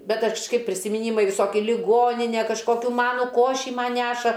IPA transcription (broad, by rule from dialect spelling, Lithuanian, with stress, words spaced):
bʲɛt ɐʃ kʃˈkɐɪp pʲrʲɪsʲɪmʲɪˈnʲiːmɐɪ ʋʲɪˈsoːkʲɪ lʲɪˈɡoːnʲɪnʲeː kɐʃˈkoːkʲʊ ˈmɑːnʊ ˈkoːʃʲiː ˈmɐn ˈnʲæːʃɐ